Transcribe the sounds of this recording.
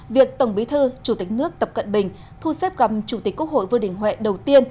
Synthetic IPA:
vi˨˩ək̚t̪ə˧˩wŋ͡mɓi˨˦t̪ʰɨ˧t͡ɕu˧˩t̪ï˨˩k̟̚nɨ˦˥ək̚t̪ə˨˩p̚kə̰˧˨nɓï˨˩ŋ̟ | t̪ʰu˧sɛ˦˥p̚ɣa˨˩p̚t͡ɕu˧˩i˨˩k̟kːu˦˥kho̰˧˨jvɨ˧ɗï˧˩ŋ̟hɦwɛ̰˧˨ɗə˨˩wt̪i˧ən

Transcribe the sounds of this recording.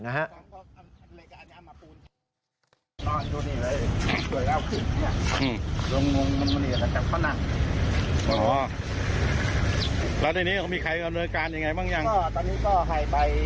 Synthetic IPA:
na˦ɦa˦˥ʔa˧˩nkɔ˧˥˩a˧ma˧laː˧kaː˧ɲaː˧˥˩maː˧puː˧n˧˩ | nɔː˧˩njuː˧niː˧˩lɤː˧jsu˨˩˦əjlaː˧˥˩wkʰɯ˨˩nka˧na˧˩ʔɯː˧˩lo˧ŋŋo˧ŋma˧nma˧ni˨˩˨la˧˩t͡ɕaː˨˩k̚pʰa˧˥˩na˧˩ŋ | ʔɔ˦˥ | lɛː˦˥t̪a˧˩niː˦˥a˧˩miː˧kʰa˧jda˧mnɤː˧nkaː˧nja˧ŋa˧jbaː˥˩ŋja˧ŋkɔː˥˩t̪ɔː˧niː˦˥kɔː˥˩ɦʰa˧˩jpa˧j

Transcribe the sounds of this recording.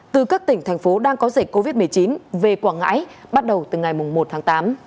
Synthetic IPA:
t̪ɨ˨˩kaː˦˥k̚t̪ï˧˩ŋ̟t̪ʰa˨˩jŋ̟fo˨˦ɗaː˧ŋkɔ˨˦ze˦˧˩ko˧vi˦˥t̚mɨ˨˩əjt͡ɕi˨˦nve˨˩kwaː˧˩ŋa̰ː˧˥jɓa˦˥t̚ɗə˨˩wt̪ɨ˨˩ŋa˨˩jmʊ˨˩ŋ͡mmo˨˩t̚t̪ʰaː˨˦ŋt̪aː˨˦m

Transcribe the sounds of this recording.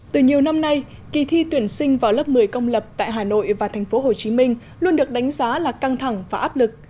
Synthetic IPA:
t̪ɨ˨˩ɲi˨˩əwna˧mna˧j | ki˨˩t̪ʰi˧t̪wi˧˩ənsï˧ŋ̟vaː˨˩wlə˦˥p̚mɨ˨˩əjkə˧wŋ͡mlə˨˩p̚t̪a̰ː˧˨jɦaː˨˩no̰˧˨jvaː˨˩t̪ʰɛ˨˩ŋ̟fo˨˦ɦo˨˩t͡ɕi˨˦mï˧ŋ̟ | lu˧ənɗɨ˨˩ək̚ɗa˨˦ŋ̟zaː˨˦laː˨˩ka˧ŋt̪ʰa˧˩ŋvaː˨˩ʔaː˦˥p̚lɨ˨˩k̚

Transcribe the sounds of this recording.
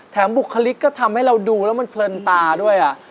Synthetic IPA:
t̪ʰɛː˩˦mbu˨˩kʰːa˧li˦˥kːɔː˥˩t̪ʰa˧mha˥˩jɾa˧wduː˧lɛː˦˥wma˧npʰlɤː˧nt̪aː˧du˥˩əjʔa˨˩ʔ

